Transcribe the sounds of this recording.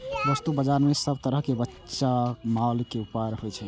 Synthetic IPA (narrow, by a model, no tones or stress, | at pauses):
bəst̪ubəd͡ʒaɾmesəbt̪əɾəɦkebətːʃamalkeupaɾɦojt͡ʃʰɛ